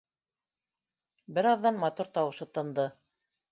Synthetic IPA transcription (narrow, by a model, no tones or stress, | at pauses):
bɘɾɑðːɑnmɑt̪uɾt̪ɑwɤ̆ʃɤt̪ɤ̆nd̪ɤ